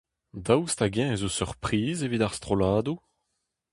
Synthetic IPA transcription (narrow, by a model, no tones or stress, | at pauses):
d̪awst̪aɡɛ̃ezosyʁpχiːzevidaʁst̪χolaːd̪u